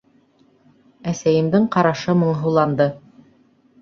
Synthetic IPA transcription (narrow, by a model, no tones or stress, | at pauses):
æsæjɘ̆md̪ɘŋqɑɾɑʃɤmɤ̆ɴɦɤ̆wlˠɑnd̪ɤ